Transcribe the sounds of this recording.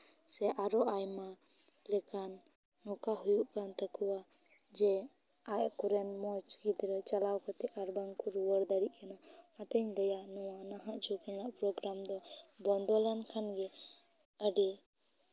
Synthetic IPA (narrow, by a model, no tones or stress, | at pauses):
sɛʔaɾɔʔajma | lɛkanː | ɔkaɦujuʔkant̪əkʰuwa | d͡ʒɛ | ajkuɾɛnmɔt͡ʃɡid̪ɾɛt͡ʃalawkɔt̪ɛʔaɾbaŋkuɾuwəɾd̪aɽiʔkanaat̪əɲlɛjanɔwanaɦãʔd͡ʒukɾanaʔpɾɔɡɾamd̪ɔbɔnd̪ɔlankʰanɡɛ | əɖi